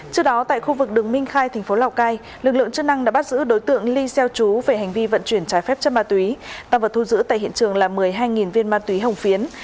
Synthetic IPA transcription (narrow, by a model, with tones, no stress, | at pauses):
t͡ɕɨ˦˥ək̚ɗɔ˨˦t̪a̰ː˧˨jxu˧vɨ˨˩k̚ɗɨ˨˩əŋmï˧ŋ̟xaː˧jt̪ʰɛ˨˩ŋ̟fo˨˦laː˨˩wkaː˧j | lɨ˨˩k̚lɨ̰˧˨əŋt͡ɕɨ˦˥k̚na˧ŋɗa̰ː˥ɓa˦˥t̚zɨ̰˧˥ɗo˨˦jt̪ɨ̰˧˨əŋli˧sɛ˧wt͡ɕu˨˦ve˨˩ɦa˨˩jŋ̟vi˧və̰˧˨nt͡ɕwi˧˩ənt͡ɕaː˨˦jfɛ˦˥p̚t͡ɕə˦˥maː˧˩t̪wi˨˦t̪aː˧və˨˩t̪ʰu˧zɨ̰˧˥t̪a̰ː˧˨jɦḭ˧˨ənt͡ɕɨ˨˩əŋlaː˨˩mɨ˨˩əjɦaː˧jŋi˨˩nvi˧ənmaː˧t̪wi˨˦ɦə˨˩wŋ͡mfi˨˦ən